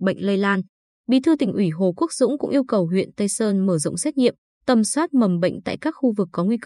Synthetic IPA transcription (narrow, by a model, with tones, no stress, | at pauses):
ɓə̰˧˨jŋ̟lə˧jlaː˧n | ɓḭ˧˨t̪ʰɨ˧t̪ï˨˩ŋ̟ʔwi˧˩ɦo˨˩ku˦˥ək̚zʊ̰˧˥ŋ͡mkʊ̰˧˥ŋ͡mʔi˧əwkə˨˩wɦwḭ˧˨ənt̪ə˧jsəː˧nməː˧˩zə̰˧˨ŋ͡msɛː˦˥t̚ɲḭ˧˨əm | t̪ə˨˩mswaː˦˥t̚mə˨˩mɓə̰˧˨jŋ̟t̪a̰ː˧˨jkaː˦˥kxu˧vɨ˨˩kːɔ˨˦ŋwi˧k